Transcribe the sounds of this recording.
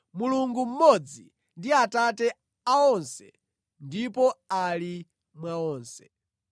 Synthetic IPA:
muluŋɡum̩mɔd͡zi | ndiatatɛ | aɔnsɛ | ndipɔali | mwaɔːnsɛ̥

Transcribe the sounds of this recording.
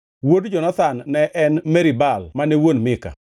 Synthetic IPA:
wodd͡ʒɔnat̪anːɛʔɛnmɛɾibalmanewonmɪka̰

